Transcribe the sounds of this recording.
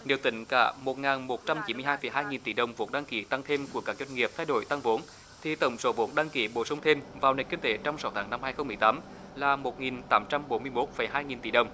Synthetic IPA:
ɗi˨əwt̪ï˧˨˦ŋ̟ka̰ː˧˩mo˨˩t̚ŋaː˨˩nmo˨˩t̚t͡ɕa˧mt͡ɕi˨˦mɨ˧ə˧jɦaː˧jfə̰˨˩jɦaː˧jŋi˨˩nt̪i˧˩ɗə˨˩wŋ͡mvo̰˨˥t̚ɗaː˧ŋki˨˦t̪a˧ŋt̪ʰe˧mku˧˩əkaː˦˥k̚zə˧nŋi˨˩əp̚t̪ʰaː˧jɗo̰˧˨jt̪a˧ŋvo˨˦n | t̪ʰi˨˩t̪ə˨˩˦wŋ͡mso˨˦vo˨˦˥t̚ɗaː˧ŋki˨˦ɓo̰˧˩sə˧wŋ͡mt̪ʰe˧mvaː˨˩wne˨˩nkï˧ŋ̟t̪e˨˦t͡ɕɔ˧wŋ͡msa˨˦wt̪ʰaː˨˦ŋna˧mhaː˧jxə˧wŋ͡mmɨ˨˩jt̪aː˨˦m | laː˨˩mo˨˩t̚ŋi˨˩nt̪aː˨˦mt͡ɕa˧mɓo˨˦nmɨ˧əjmo˦˥t̚fə˨˩jɦaː˧jŋi˨˩nt̪i˧˩ɗə˨˩wŋ͡m

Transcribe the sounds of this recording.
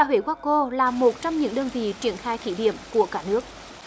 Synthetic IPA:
a˧˩hwḭ˧˩kwaː˦˥k̚ko˧laː˨˩mo˨˩t̚t͡ɕɔ˧wŋ͡mɲɨ̰˧˥ŋɗəː˧nvḭ˧˨t͡ɕi˧˩ənxaː˧jt̪ʰi˧˩ɗḭ˧˨əmku˧˩əkaː˧˥nɨ˦˥ək̚

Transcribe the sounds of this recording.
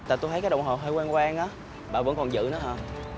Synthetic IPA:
t̪a̰ː˨˩t̪o˧j̪ʰə˦kaː˨˦˥ɗə̰˧˨wŋ͡mɦo˨˩ɦəː˧jkwaː˧nkwaː˧ŋʔaː˨˦˥ | ɓa̰ː˧˨˩və̰˧˥nkɔ˨˩nzɨ̰˧˨nɔ̰˨˦ɦəː˧˩

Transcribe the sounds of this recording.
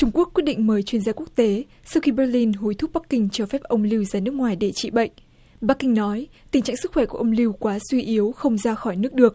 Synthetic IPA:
t͡ɕʊ˧ŋ͡mku˦˥ək̚wi˦˥ət̚ɗḭ˧˨ŋ̟məː˨˦jt͡ɕwi˧ənzaː˧ku˦˥ək̚t̪e˨˦ | sa˧wxi˧ɓɛ˧li˧nɦu˨˦jt̪ʰʊ˦˥k͡p̚ɓa˦˥kːï˧ŋ̟t͡ɕɔ˧fɛ˦˥p̚ʔə˧wŋ͡mli˧wzaː˨˧nɨ˦˥əkŋwaː˨˩jɗe˧˩t͡ɕḭ˧˨ɓə̰˧˨jŋ̟ | ɓa˦˥kːï˧ŋ̟nɔ˨˦jt̪ï˨˩ŋ̟t͡ɕa̰ː˧˨ŋsɨ˦˥kxwɛ˧˩ku˧˩əʔə˧ŋ͡mli˧wkwaː˨˦swi˧ʔi˨˦ə˦wxə˧wŋ͡mzaː˧xɔ˧˩jnɨ˦˥ək̚ɗɨ˨˩ək̚

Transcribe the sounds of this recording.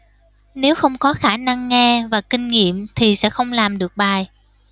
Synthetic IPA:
ne˨˦wxə˧wŋ͡mkɔ˨˦xaː˧˩na˧ŋːɛ˧vaː˨˩kï˧ŋ̟ŋḭ˧˨əmt̪ʰi˨˩sɛ̰˧˥xə˧wŋ͡mlaː˨˩mɗɨ˨˩ək̚ɓaː˨˩j

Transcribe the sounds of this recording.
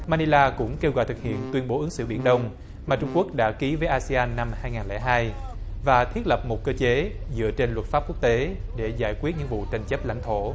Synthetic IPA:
maː˧ni˧laː˧kʊ̰˧˥ŋ͡mke˧wɣa̰ː˧˨jt̪ʰɨ˨˩k̚hḭ˧˨ənt̪wi˧ənɓo˨˦ʔɨ˨˦ŋsɨ̰˧˨ɓḭ˧˩ənɗə˧wŋ͡m | maː˨˩t͡ɕʊ˧ŋ͡mku˦˥ək̚ɗa̰ː˧˥ki˨˦vəː˨˦jʔaː˧si˧aː˧nːa˧mhaː˧jŋaː˨˩nlɛ̰˧˩ɦaː˧jvaː˨˩t̪ʰwi˦˥ət̚lə˨˩p̚mo˨˩t̚kəː˧t͡ɕe˨˦zɨ̰˧˨ət͡ɕe˧nlwə˨˩t̚faː˦˥p̚ku˦˥ək̚t̪e˨˦ɗe˧˩zaː˧˩jkwi˦˥ət̚ɲɨ̰˧˥ŋvṵ˧˨t͡ɕa˨˩jŋ̟t͡ɕə˦˥p̚la̰˧˥ŋ̟t̪ʰo˧˩˨

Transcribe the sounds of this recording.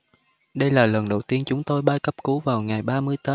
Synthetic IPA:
ɗə˧jlaː˨˩lə˨˩nɗə˨˩wt̪i˧ənt͡ɕʊ˨˦ŋ͡mt̪o˧jɓaː˧jkə˦˥p̚ku˨˦vaː˨˩wŋa˨˩jɓaː˧mɨ˧əjt̪əː˨˦

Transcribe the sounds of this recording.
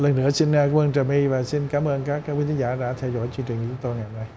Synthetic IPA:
lə˨˩nːɨ˧˥əsi˧n˧kːwməː˧nt͡ɕə˨˩mʔi˧vaː˨˩si˧nkaː˨˦mʔəː˧nkaː˦˥k̚kwi˧˦t̪ʰi˨˦ŋzaː˧˩ɗa̰ː˧˥t̪ʰɛ˧wzɔ̰˧˥jt͡ɕɨ˧ŋt͡ɕi̟˨˩kt͡ɕʊ˨˦ŋ͡mt̪o˧jŋa˨˩jmna˧j

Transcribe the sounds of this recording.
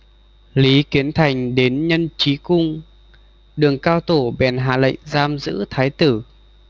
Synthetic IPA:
li˨˦ki˨˦ənt̪ʰa˨˩jŋ̟ɗe˨˦nɲə˧nt͡ɕi˨˦kʊ˧ŋ͡m | ɗɨ˨˩əŋkaː˧wt̪o˧˩ɓɛ˨˩nɦa̰ː˨˩lə̰˧˨jŋ̟zaː˧mzɨ̰˧˥t̪ʰaː˨˦jt̪ɨ˧˩

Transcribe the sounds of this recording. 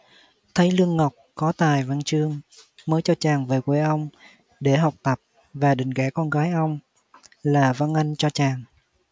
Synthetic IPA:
t̪ʰə˨˦jlɨ˧əŋːə˨˩wk͡p̚kɔ˨˦t̪aː˨˩jva˧nt͡ɕɨ˧əŋməː˨˦jt͡ɕɔ˧t͡ɕaː˨˩ŋveː˨˩kwe˨˦ʔə˧wŋ͡m | ɗe˧˩ɦa˨˩wk͡p̚t̪ə˨˩p̚ | vaː˨˩ɗï˨˩ŋ̟kɛ˧˩kɔ˧nɣaː˨˦jʔə˧wŋ͡m | laː˨˩va˧nʔa˧jŋ̟t͡ɕɔ˧t͡ɕaː˨˩ŋ

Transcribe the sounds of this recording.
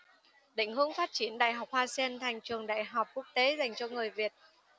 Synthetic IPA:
ɗḭ˧˥ŋ̟hɨ˧˦əŋfaː˦˥t̚t͡ɕi˨˧˦ənɗa̰ː˧˨jɦa˨˩wk͡p̚haː˧sɛ˧nt̪ʰa˨˩jŋ̟t͡ɕɨ˨˩əŋɗa̰ː˧˨jɦa˨˩wk͡p̚ku˦˥ək̚t̪e˨˦za˨˩jŋ̟t͡ɕɔ˧ŋɨ˨˩əjvi˨˩ət̚

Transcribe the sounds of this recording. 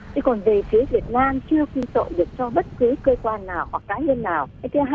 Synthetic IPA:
t͡ɕɨ˧kɔ˨˩nve˨˩fi˨˦əvi˨˩ət̚naː˧mt͡ɕɨ˧əki˧t̪o̰˧˨ɗɨ˨˩ək̚t͡ɕɔ˧ɓə˦˥t̚kɨ˨˦kəː˧kwaː˧nːaː˨˩whwa˨˩k̚ːaː˨˦ɲə˧nːaː˨˩wa˧˦jt̪ʰɨ˨˦ɦa˧

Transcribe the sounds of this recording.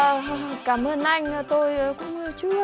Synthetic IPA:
kaː˧˩mʔəː˧nʔa˧jŋ̟˨˩t̪o˧jkʊ̰˧˥ŋ͡mt͡ɕu˦

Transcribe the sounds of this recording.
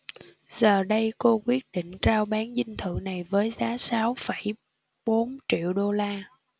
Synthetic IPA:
z̥əː˨˩ɗə˧jko˧kwi˦˥ət̚ɗḭ̈˧˨ŋ̟t͡ɕaː˧wɓaː˨˦nzï˧ŋ̟t̪ʰɨ̰˧˨na˨˩jvəː˨˦jzaː˨˦saː˨˦wfə˧˩j | ɓo˨˦nt͡ɕḭ˧˨əwɗo˧laː˧

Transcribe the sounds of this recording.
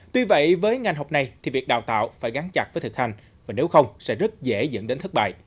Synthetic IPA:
t̪wi˧və̰˧˨jvəː˨˦jŋa˨˩jŋ̟ɦo˨˩k͡p̚na˨˧jt̪ʰi˨˩vi˨˩ək̚ɗa̰ː˧˨wt̪a̰ː˧˨wfaː˧˩jɣaː˨˦ŋt͡ɕa˨˩k̚vəː˨˦jt̪ʰɨ˨˩k̚ha˧jŋ̟ | vaː˨˩ne˨˦wxə˧wŋ͡msɛ̰˧˥zə˦˥t̚zḛ˧˩zə̰˧˨nɗe˨˦nt̪ʰk̚ɓa̰ː˧˨j

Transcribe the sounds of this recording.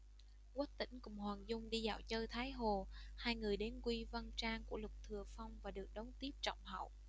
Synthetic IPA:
kwa˦˥k̚t̪ḭ̈˧˩ŋ̟kʊ̰˧˨˩ŋ͡mhwaː˨˩ŋzʊ˧ŋ͡mɗi˧za̰ː˧˩wt͡ɕəː˧jt̪ʰaː˨˦jɦo˨˩haː˧jŋɨ˨˩əjɗe˨˦nkwi˧va˧nt͡ɕaː˧ŋku˧˩əlʊ˨˩k͡p̚t̪ʰɨ˨˩əfa˧wŋ͡mvaː˨˩ɗɨ˨˩ək̚ɗə˨˦wŋ͡mt̪i˦˥əp̚t͡ɕɔ̰˧˨wŋ͡mhə̰˧˨w

